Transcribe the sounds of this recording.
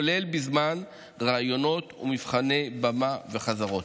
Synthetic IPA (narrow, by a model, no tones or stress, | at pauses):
le̞lbizman | ʁajo̞no̞t̪ṵmivχane̞bamave̞χazaʁo̞t̪